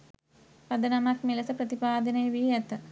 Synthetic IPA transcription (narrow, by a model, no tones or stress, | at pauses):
pɐd̪ənamakmilɐsəpɾɐt̪ipaːd̪ənəjeʋiɛt̪ːə